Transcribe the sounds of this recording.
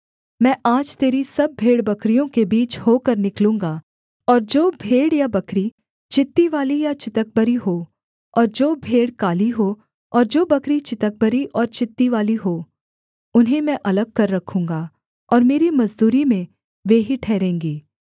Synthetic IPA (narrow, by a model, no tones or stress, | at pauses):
mɛ̃ːʔaːd͡ʒt̪eːɾisɐb̚bʱeːɽbɐkɾijõkebiːt͡ʃhoːkɐɾnɪklũːŋɡaː | ɔːɾd͡ʒoːbʱeːɽjabɐkɾi | t͡ʃɪt̪ːiʋaːlijat͡ʃɪt̪ək̚bəɾiɦoː | ɔːɾd͡ʒoːbʱeːɽkaːliɦoː | ɔːɾd͡ʒoːbɐkɾit͡ʃɪt̪ək̚bəɾiʔɔːɾt͡ʃɪt̪ːiʋaːliɦoː | ʊnɦẽmɛ̃ʔɐləɡ̚kɐɾːɐkʰũːŋɡaː | ɔːɾmeːɾimɐzd̪uːɾimẽ | ʋeːɦiʈʰɛːɾẽːŋɡiː